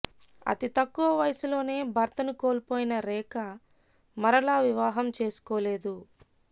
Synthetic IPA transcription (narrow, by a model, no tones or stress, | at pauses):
ɐ̰t̪it̪ɐkːuʋɐʋɐjɐsulo̞ːne̞ːbʱɐɾt̪ɐnuko̞ːlpo̞ːjinɐɾɛːkɐ | mɐɾɐlaːʋiʋaːɦɐmt͡ʃe̞ːsu̥koːle̞ːd̪u